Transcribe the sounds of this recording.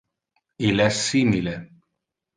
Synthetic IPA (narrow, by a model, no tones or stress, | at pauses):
ilɛsːimile